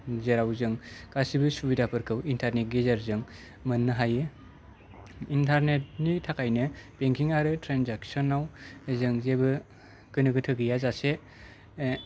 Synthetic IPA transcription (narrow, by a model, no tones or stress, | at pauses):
zeɾawzɯŋkasibɯsubidapʰɯɾkʰɯwintʰaɾnet̚ɡizaɾzɯŋ | mɯnːɯɦajɯ | intʰaɾnet̚nitʰakʰajnɯpeŋkʰiŋaɾɯtɾanzak̚sɔnːawzɯŋzebɯ | kɯnɯɡɯtʰɯɡijazase